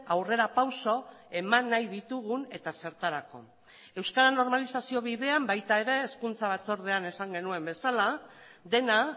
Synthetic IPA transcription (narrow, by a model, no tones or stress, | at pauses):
awre̞ɾapawso̞ | e̞manːajðit̪uɣune̞t̪ase̞ɾt̪aɾako̞̰ | e̞wskaɾano̞ɾmalisasio̞βiðe̞ambajt̪ae̞ɾe̞ːskunt͡saβ̞at͡so̞ɾð̞e̞ane̞saŋɡe̞nue̞mbe̞salad̪e̞na